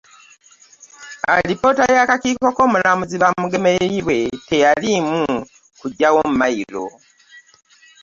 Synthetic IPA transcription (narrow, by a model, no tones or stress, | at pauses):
a̰lipo̞tajakaciːko̞ko̞ːmulamuziβamuɡe̞meiβwe̞te̞jalimu | kuɟːawo̞mumajiɾo̞̰